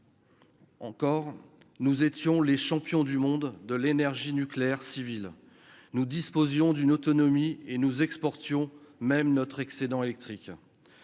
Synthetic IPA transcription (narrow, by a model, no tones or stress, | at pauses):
ɑ̃kɔʁ | nuzet̪jɔ̃leʃɑ̃pjɔ̃d̪ymɔ̃d̪ːəlenɛʁʒinykleɛʁsivil | nud̪ispozjɔ̃d̪ynot̪ɔnɔmienuzɛkspɔʁt̪jɔ̃mɛmnɔt̪χɛksed̪ɑ̃elɛk̚t̪χik